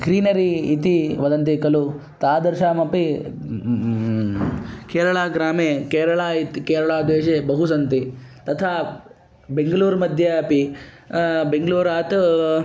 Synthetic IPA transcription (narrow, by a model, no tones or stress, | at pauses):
ɡɾiːnɐɾiːt̪iʋɐd̪ɐnt̪̬ikɐlu | t̪aːd̪ɐɾʃaːmɐpi | keːɾɐɭaːɡɾaːmeːkeːɾɐɭaːit̪ikeːɾɐɭaːd̪ʋeːʃebɐɦusɐnt̪it̪ɐt̪ʰaː | beŋɡɐluːɾmɐd̪ʱjɐːpi | beŋɡɭuːɾaːt̪